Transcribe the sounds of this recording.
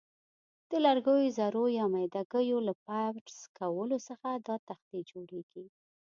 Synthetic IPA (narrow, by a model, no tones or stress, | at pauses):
d̪̥əlaɾɡəjozaɾojɑmajd̪aɡəjolapawʈskawəlosəxad̪ɑt̪axd̪id͡ʒoɽeɡ̥i